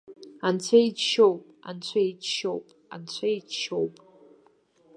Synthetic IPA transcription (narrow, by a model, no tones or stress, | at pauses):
ant͡ɕʷʰaid͡ʒʃowpʼa̰nt͡ɕʷʰaid͡ʒʃowpʼant͡ɕʷʰaid͡ʒʃowpʼ